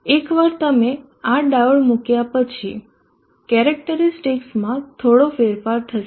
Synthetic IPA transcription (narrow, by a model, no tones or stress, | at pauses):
ekʋaɾt̪əme | aɖaʋəɭmukjapət͡ʃʰi | kɛɾək̚ʈəɾisʈiksmãt̪ʰoɽofeɾfaɾt̪ʰəʃ